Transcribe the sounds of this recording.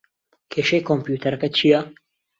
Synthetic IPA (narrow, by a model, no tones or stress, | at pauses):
kʰeːʃɐjkʰompjuːt̪ʰɐɾɐkɐt͡ʃʰijɐ